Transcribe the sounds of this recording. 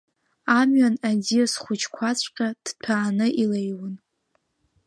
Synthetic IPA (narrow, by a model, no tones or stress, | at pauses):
amɥanaziasχʷʊt͡ʃʰkʷʰat͡sʷʰʼqʲʼad̥tʷʰaːnɨʔilejwʊn